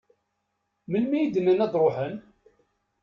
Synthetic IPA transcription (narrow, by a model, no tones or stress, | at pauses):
məlmijid̪ənːənæd̪ˤɾˤoħən